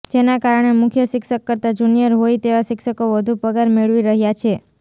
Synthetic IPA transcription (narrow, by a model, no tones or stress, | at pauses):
d͡ʒenakaɾəɳ̃emʊkʰjəʃɪkʃəkːəɾt̪ad͡ʒunijəɾɦojt̪eʋaʃɪkʃəkoʋəd̪ʱupəɡaɾmeɭʋiɾəɦjat͡ʃʰe